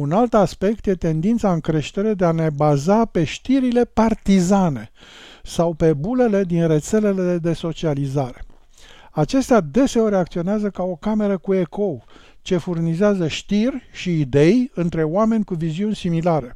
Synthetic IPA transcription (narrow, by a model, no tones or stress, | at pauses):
unalt̪aspe̞k̚t̪je̞t̪e̞nd̪int̪saɨŋkɾe̞ʃt̪e̞ɾe̞d̪eane̞bazape̞ʃt̪iɾile̞part̪izane̞ | sawpe̞bule̞le̞d̪inre̞t̪se̞le̞le̞ed̪e̞so̞t͡ʃializaɾe̞̥̰ | at͡ʃe̞st̪ead̪e̞se̞o̞ɾʲeakt̪sio̞neazəkao̞kame̞ɾəkue̞kʰo̞w | t͡ʃe̞furnizeazəʃt̪irʲʃiːd̪e̞jɨnt̪ɾe̞oame̞nʲkuviziunʲsimilaɾe̞